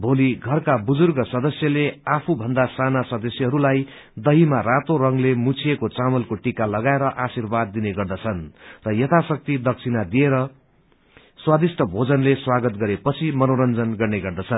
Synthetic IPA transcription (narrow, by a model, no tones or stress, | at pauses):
bʱoliɡʱʌrkabud͡zurɡʌsʌd̪ʌsjʌleapʰubʱʌnd̪asanasʌd̪ʌsjʌɦʌɾulaj | d̪ʌɦimarat̪oɾʌŋlemut͡sʰijekot͡samʌlkoʈikalʌɡaeɾʌʔasirbad̪ːineɡʌrd̪ʌt͡sʰʌnrʌjʌt̪asʌk̚t̪id̪ʌkt͡sʰinad̪ieɾʌ | swad̪isʈʌbʱod͡zʌnleswaɡʌt̪ɡʌɾepʌt͡sʰimʌnoɾʌnd͡zʌnɡʌrneɡʌrd̪ʌt͡sʰʌn